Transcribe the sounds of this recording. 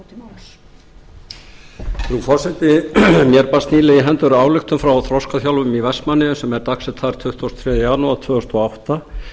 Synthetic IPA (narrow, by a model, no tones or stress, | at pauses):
θɾufɔr̥sɛt̪ɪmjɛɾpast̪niːlɪiɦɛnt̪ʏɾaːwlʏxt̪ʏmfɾawaθɾɔskaθjawlvʏmivɛsmanːɪsɛmɛɾt̪aksɛt̪ʰθaɾ̥t̪ʰʏht̪vɔst̪fʰɾjɛːðjʏjaːnuat̪ʰvœːʏst̪ɔawht̪a